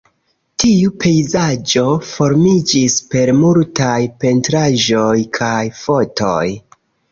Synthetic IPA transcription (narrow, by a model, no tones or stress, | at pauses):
tʰiupʰe̞jzad͡ʒo̞fo̞ɾmid͡ʒispe̞ɾmultajpe̞ntɾaʒo̞jkʰajfo̞to̞̰j